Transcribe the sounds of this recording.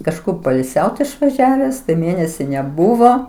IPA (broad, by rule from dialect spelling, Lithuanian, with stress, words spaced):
kɐʃˈkʊr poːɪlʲˈsʲɛʊt ɪʃʋɐˈʒʲæːʋʲɛs tɐɪ ˈmʲeːnʲɛsʲɪ nʲɛˈbʊʋoː